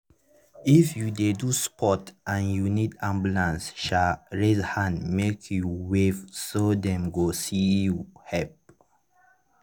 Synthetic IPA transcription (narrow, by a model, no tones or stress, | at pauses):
ifjudeduspʰɔtãnjunidãmbjulãnsʃaɹezhãndmekʰjuwevsodɛ̃mɡosijuhɛp̚